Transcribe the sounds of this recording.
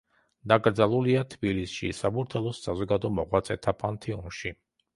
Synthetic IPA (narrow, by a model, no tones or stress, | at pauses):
d̪aɡɾd̪zalˠuliat̪ʰbilisʃḭsabuɾt̪ʰɛlˠɔsːazɔɡad̪ɔmɔʁwat̪sʼɛt̪ʰapʰant̪ʰɛunʃi